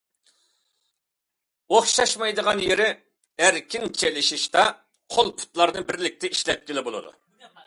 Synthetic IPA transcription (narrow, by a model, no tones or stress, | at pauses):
oχʃɑʃmɑjd̪əʁɑnjeɾɪ | æɾkʲɪnt͡ʃʰelɪʃiʃt̪ɑ | qʰolˠpʰu̥t̪lˠɑɾnɨbɪɾlɪk̚ʲt̪ɛiʃlɛt̪̚kʲɪlɪbolˠɨ̰d̪ṵ